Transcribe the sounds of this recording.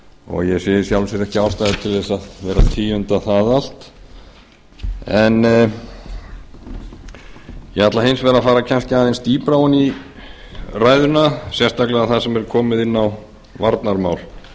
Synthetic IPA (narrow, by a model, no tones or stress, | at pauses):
ɔ̰ɣjɛsɛjɪsjawlsjɛɾɛhcɪaːwst̪ajðɪt̪ʰɪlðɛsaðvɛːɾat̪ʰiːʏnt̪aθaðal̥t̪ | ɛn | jɛhat̪laɦejnsvɛːɾafaːɾacʰanscɪaðenst̪iːpɾawʏni | raːjðʏnasjɛst̪aklɛɣaðθaðsɛmɛɾkʰɔːmɪðɪnːaw | vaɾt̪naɾmaːwl